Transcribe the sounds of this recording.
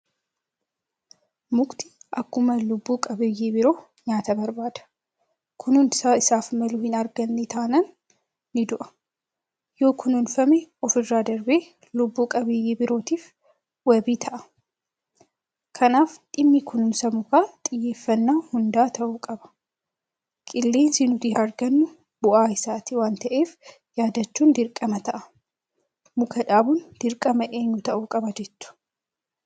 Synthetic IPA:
mʊkt̪ɪ̥ʔɐkːʊmɐlʊbːuːkʼɐbɪjeːbɪɾoː | ɲaːt̪ɐbɐɾbaːd̪ɐ̥ | kʰʊnʊnsaɪsaːfmɐluhɪnɐɾɡɐnːɛt̪ʰaːnɐnː | ɪd̪ʊʔɐ̥ | jo̞ːkʰʊnʊnfɐmeɔfɪrːaːd̪ɐɾbeː | lʊbːuːkʼɐbɪjeːbɪɾo̞ːt̪iːf | wɐbiːt̪ʰɐʔɐ̥ | kʰɐnaːfᶑ̪ɪmːikʊnʊnsɐmʊkaːt̪ʼɪjːe̞ːfːɐnːaːhʊnd̪aːt̪ʰɐʔuːkʼɐbɐ̥ | kʼɪlːe̞ːnsiːnʊd̪ɪɐɾɡɐnːʊ | b̥ʊʔaːɪsaːt̪ɪwaːnt̪ɐʔe̞ːf | jaːd̪ɐt͡ʃːuːnd̪ɪɾkʼːɐmɐt̪ɐʔɐ̥ | mʊkʰɐᶑaːbʊnd̪̥ɪɾkʼɐmɐʔeːɲːʊt̪ɐʔuːkʼɐbɐd͡ʒɛt̪ːʊ̥

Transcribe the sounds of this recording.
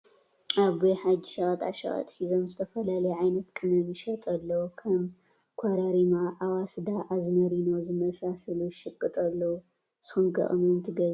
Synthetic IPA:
aβojħad͡ʒiʃɐɣʼɐt̪ʼa̰ʃɐ̰χʼɐ̰t̪ʼħizo̞mzɨt̪ʰɐfɐlalɐjʕajnɐt̪kʼɨnɨnɨʃɐt̪ʼɐlːɐwukʰɐm | kʷʰɐɾɐɾimaʔawasd̪aʔazmɐɾinozɨmɐsasɐluʃɨkʼːɨt̪ʼɐlːɐwu | sɨxɨmɡɐ̰χʼmont̪ʰɨɡɐz

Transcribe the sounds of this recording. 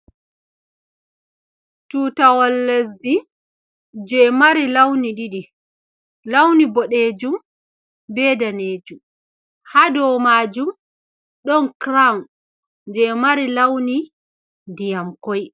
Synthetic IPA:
tuːtawɔlːes̬di | d͡ʒɛmaɾilawniɗiɗi | lawnibɔɗeːd͡ʒum | bɛːdaneːd͡ʒum | hadɔmaːd͡ʒum | ɗɔnkɾawn | d͡ʒɛmaɾilawni | dijamkɔj

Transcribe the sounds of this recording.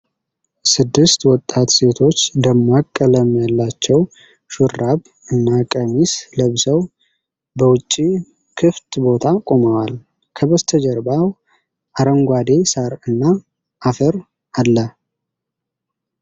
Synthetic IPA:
sɨd̪ːɨst̪wɔt̪ʼːat̪se̞t̪ʰo̞t͡ʃːd̪əmːakʼːələmjalːat͡ʃːɛw | ʃʊraβ | ɨnːakʼəmisləβsəw | bəwʊt͡ʃʼːi | kʰɨft̪bo̞t̪ʰakʼo̞məwal | kʰəβəst̪ʰəd͡ʒəɾbaw | ʔaɾəŋɡʷad̪e̞saɾɨnːa | ʔːfəɾ | alːə

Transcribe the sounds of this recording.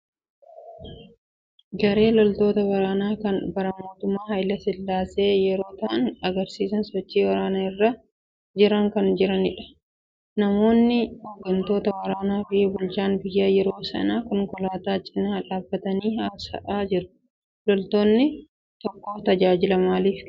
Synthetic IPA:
ɡɐɾe̞ːlɔlt̪o̞ːt̪ɐwɐɾaːnaːkɐnbɐɾɐmo̞ːt̪ʊmːaːhɐjlɐsɪlːaːse̞ːjɛɾo̞ːt̪ɐʔɐnɐɡɐɾsiːsɐnsɔt͡ʃːiːwɐɾaːnaɪrːa | d͡ʒɪɾɐŋkɐnd͡ʒɪɾɐnɪᶑɐ̥ | nɐmo̞ːnːɪhɔɡɐnt̪o̞ːt̪ɐwɐɾaːnaːfɪbʊlt͡ʃaːnbɪjːaːjɛɾo̞ːsɐ̰naːkɔŋkɔlaːt̪aːt͡ʃʼɪnaːᶑaːbːɐt̪ɐniːhaːsɐ̰ʔaːd͡ʒɪɾʊ̥ | lɔlt̪o̞ːnːɪ | t̪ɔkːoːt̪ɐd͡ʒaːd͡ʒɪlɐmaːliːf

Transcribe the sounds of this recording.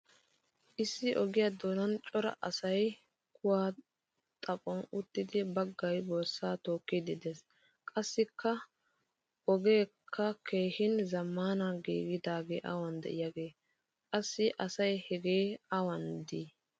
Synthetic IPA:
ʔɪsːɪʔɔɡɪjad̪o̞ːnɐnt͡ʃʼɔɾɐ̰ʔɐsɐj | kʊwaː | t̪ʼɐpʼɔnʊt̪ːɪd̪ɪbɐɡːɐjboːsːaːt̪o̞ːkːɪd̪ɪd̪ɛs | kʼɐsːɪkːɐ | ʔɔɡe̞ːkʰːɐkʰe̞ːhɪnzɐmːaːnaɡḭːɡɪd̪aːɡḛːʔɐ̰wɐnd̪ɛ̰ʔɪjaːɡe̞ː | kʼɐsːɪʔɐsɐjhɛɡe̞ːɐwɐnd̪iː

